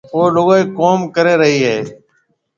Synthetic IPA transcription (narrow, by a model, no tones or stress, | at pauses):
ɦoːloɡaiːkoːmkəɾeːɾəɦiːɦeː